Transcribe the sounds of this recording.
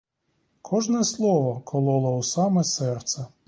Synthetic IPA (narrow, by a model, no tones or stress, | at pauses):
kʰɔʒnɛslˠɔʋɔkʰɔlˠɔlˠɔwsɑmɛsɛrt̪sɐ